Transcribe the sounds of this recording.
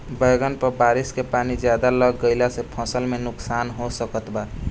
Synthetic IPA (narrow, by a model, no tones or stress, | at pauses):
bəjɡənpəɾbaɾiskepanid͡ʒjad̪aləɡːəɪlasepʰəsəlmenʊksanɦosəkət̪ba